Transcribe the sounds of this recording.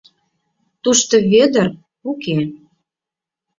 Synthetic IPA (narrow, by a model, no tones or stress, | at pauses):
t̪uʃt̪oβed̪ər | uke